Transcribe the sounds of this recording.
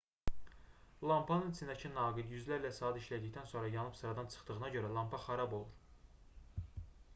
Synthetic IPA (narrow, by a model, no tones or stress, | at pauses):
lˠɑmpʰɑnɯnt͡s̪ʰinæcʰinɑːɡid̪jyzlæɾlæsɑːd̪æiʃlæd̪içd̪ænso̞nɾɑjɑnɯpsɯɾɑd̪ɑnt͡ʃʰɯ̥χd̪ɯɣɯnɑɟø̞ɾælˠɑmpʰɑχæɾɑbo̞lˠuɾ